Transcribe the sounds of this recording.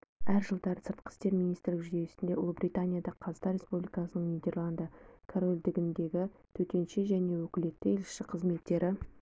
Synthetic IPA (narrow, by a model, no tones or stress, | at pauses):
æɾʒəlˠd̪ɑɾəsəɾt̪̚qə̥st̪e̞ɾmʲinij̪st̪ɾɪlɪkʒʏd̪esɪnd̪e̞ʔʊ̰lˠbɾit̪anʲijad̪ɑqʰɑzt̪ɑɾʲe̞spublʲijkɑsənəɴnijd̪ʲe̞ɾlˠand̪ɑkʰoɾolʲd̪ɪɡʲɪnd̪e̞ɡʲɪt̪ʰɵt̪e̞nʃeʒæne̞wɵkʲɪle̞t̪ːɪelʃɪqʰəzme̞t̪ːe̞ɾɪ